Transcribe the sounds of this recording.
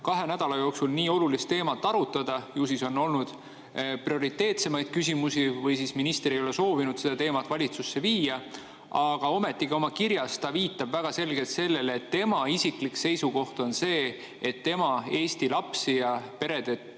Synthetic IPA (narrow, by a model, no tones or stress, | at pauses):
kɑɦe̞næd̪̥ɑlɑjo̞ːksulniːo̞lulist̪ːe̞ːmɑt̪ːˑɑɾut̪ːˑɑd̪̥ɑjuːsiso̞nːo̞lnud̪̥ | prio̞ɾit̪ːˑe̞ːt̪se̞mɑjd̪̥kys̬ʲimusivɤjsisminist̪eɾejo̞leso̞ːvinud̪̥se̞d̪ɑt̪e̞ːmɑt̪ːˑvɑlʲit̪susːe̞viːjɑ | ɑɡ̥ɑo̞me̞t̪ːˑiɡ̥io̞mɑkiɾjɑst̪ɑviːt̪ːˑɑb̥væɡ̥ɑse̞lɡ̥e̞lt̪se̞lːe̞lːt̪ːe̞mɑisiklikse̞jsuko̞ht̪o̞nse̞ː | et̪ːe̞mɑe̞ːst̪ilɑpsijɑpe̞ɾe̞d̪̥e̞t̪